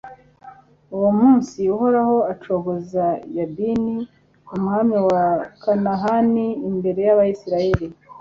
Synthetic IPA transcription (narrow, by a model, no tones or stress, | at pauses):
uwomuːnsiuho̞ɾaho̞at͡ʃoɦozajabini | umŋaːmiwakanaɦaniːmbe̞ɾe̞jaβajisiɾaje̞ɾi